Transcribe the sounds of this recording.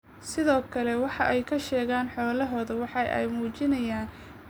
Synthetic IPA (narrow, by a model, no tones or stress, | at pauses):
sɪðɔːkʰɐlɛwɑħɑʔɛjkʰɐʃɛːɣaːnħɔːlɐɦɔːðɐwɑħɑjʔɛ̰jmuːt͡ʃɪnɐjaːn